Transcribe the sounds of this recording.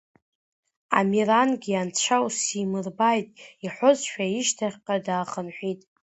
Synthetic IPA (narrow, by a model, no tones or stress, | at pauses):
a̰miranɡʲiant͡ɕʷʰawsimɨrbajtʼiħʷʊzʃᶣaiʃtʰaχʲqʼadaːχənħʷᶣitʼ